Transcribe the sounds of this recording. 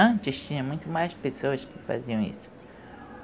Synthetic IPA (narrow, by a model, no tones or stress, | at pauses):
ɐ̃nt͡ʃɪst͡ʃĩɲɐ̃mũj̃t̪ʊmajspesoɐskɪfa̰ziɐ̃w̃ḭsʊ̥